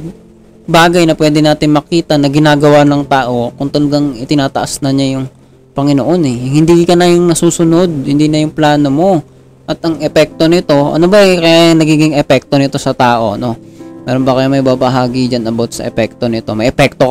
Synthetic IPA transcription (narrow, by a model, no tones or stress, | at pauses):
baːɡɐjnɐpwɛːd̪ɪnaːt̪ɪnmɐkiːt̪ɐnɐɡɪnaːɡɐwanɐŋt̪aːʔo̞kʊŋt̪ɐlɐɡaŋɪt̪ɪnaːt̪ɐʔɐsnɐɲajʊŋ | pɐŋɪnoʔo̞nɛhɪnd̪ikɐnɐjʊŋnɐsuːsʊno̞d̪̚hɪnd̪iːnɐjʊŋplaːno̞mo̞ | ʔɐt̪ɐŋɛpɛk̚t̪o̞nɪt̪o̞ʔɐ̰no̞bɐʔɐkɐjaːjɐŋnɐɡiːɡɪŋɛpɛk̚t̪o̞nɪt̪o̞sɐt̪aːʔo̞no̞mɛːɾonbɐkɐjamɐjbaːbɐɦaːɡid͡ʒanɐbot̪̚sɐ̰ʔɛpɛk̚t̪o̞nɪt̪o̞mɐjʔɛpɛk̚t̪o